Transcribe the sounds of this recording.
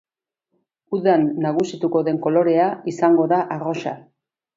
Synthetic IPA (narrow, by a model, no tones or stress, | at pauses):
uðanːaɣ̞usit̪uko̞ðe̞ŋko̞lo̞ɾe̞aisaŋɡo̞ðaʔaro̞sa